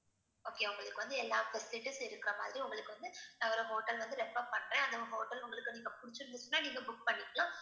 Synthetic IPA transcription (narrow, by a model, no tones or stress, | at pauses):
oːkeːʊŋɡɐɭɯkːɯʋɐnd̪ɯɛlːaːfɛsɪlɪʈisɪɾɯkːɪɾɐma̰ːðɪɾiʊŋɡɐɭɯkːɯʋɐnd̪ɯɐʋɐɾõɦoːʈːɐlʋɐnd̪ɯɾɛpːɐpɐɳɾẽːɐðɐ̃ɦoːʈɐlʊŋɡɐɭɯkːɯniːŋɡɐpʊɽɪt͡ʃːɯɾɯnd̪ɯt͡ʃːɯnːaːniːŋɡɐbʊk̚pɐɳːɪkːlãː